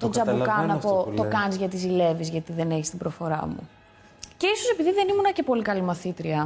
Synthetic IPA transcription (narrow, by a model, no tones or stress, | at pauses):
t̪o̞d͡zɐbukɐnɐpo̞t̪o̞kɐnzʝɐt̪izile̞vizʝɐt̪iðene̞çist̪ibɾo̞fo̞ɾɐ̰mṵ | ce̞iso̞se̞piðiðe̞nimunɐce̞po̞likɐlimɐθit̪ɾiɐ